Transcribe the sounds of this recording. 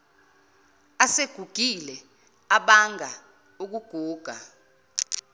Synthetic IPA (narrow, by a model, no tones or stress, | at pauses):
aseɡ̥ʱuɡ̥ʱilɛ | aɓaŋʱa | uk̬uɡ̥ʱuːɡ̥ʱa